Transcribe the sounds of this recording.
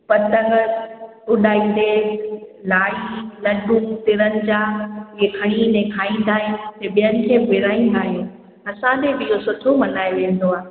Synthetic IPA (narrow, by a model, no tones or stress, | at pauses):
pɐt̪əŋɡəɾ | ʊɗaːĩːn̆d̪eːlaːɭilɐɗũt̪ɪɾənɪ̆d͡ʑaːekʰɐɽ̃inɛ̃kʰaːĩːnd̪aːɦɪt̪ɐɓijənɪ̆kʰeːʋɪɾaːĩːn̆d̪aːɦjũː | ɐsãd̪ebɪɪjosʊʈʰomɐnaːeʋẽːn̆d̪oaːɦe